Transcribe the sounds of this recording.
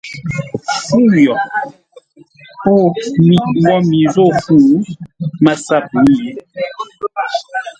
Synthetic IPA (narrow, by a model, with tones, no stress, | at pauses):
fu˦jɔ˨ | po˦˨mi˨ŋ˦ɔ˦mi˨zo˦˨hu˦˨˦ | ma˨sa˦˨p̚u˨˦je˨˦